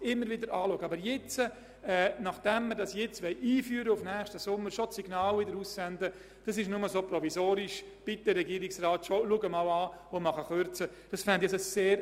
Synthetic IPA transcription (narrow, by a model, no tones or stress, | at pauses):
ɪmːəɾʋɪdəɾʔaːluɡəɑbəɾjɛt͡sə | ɛːnɑχd̥ɛmːədɑsjɛt͡sʋɛɪʔiːfyːɾəʊfnɛːxʃtəsʊmːəɾʃosiɡnaːlɪdəɾussɛndə | d̥ɑsɪʃnʊməsoprɔvisoːɾɪʃb̥ɪtd̥əɾɛɡiːɾɪksraːtʃoluɡəmaʊaːomɑχəχøɾt͡sə | d̥ɑsfɛndɛsəseːɾ